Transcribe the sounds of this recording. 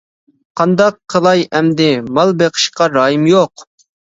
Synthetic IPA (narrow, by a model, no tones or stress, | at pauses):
qʰɑnd̪ɑqʰːəlˠɑjɛmd̪ɪmɑlˠbeqʰə̥ʃqɑɾɑːjimjoq